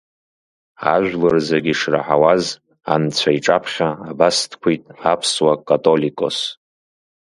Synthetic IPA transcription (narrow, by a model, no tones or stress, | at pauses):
aʒᶣʷlɨrzaɡʲiʂra̰ħawaz | ant͡sʷʰaiʈ͡ʂʼapʰχʲaːbastʰkʷʰitʼapʰswakʼatʼo̞likʼo̞̰s